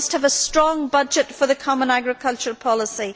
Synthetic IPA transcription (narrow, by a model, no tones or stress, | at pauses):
st̚həvəstɹ̥ɔ̃ŋbʌd͡ʒɨtfə˞ðɨkʰɑmə̃næɡɹɨkʰʌlˠt͡ʃə˞pʰɑlˠəsi